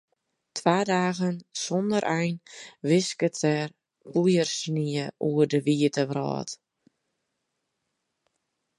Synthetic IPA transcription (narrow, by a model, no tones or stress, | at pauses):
tʰʋaːdaːɣənsɔndəɾʔɛjnʋɪskətɛr | pujərsniəʔuərdəʋiətəʋrɔ̰ːt